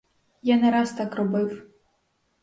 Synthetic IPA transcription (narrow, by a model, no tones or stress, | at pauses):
janɛɾast̪akrɔbɨw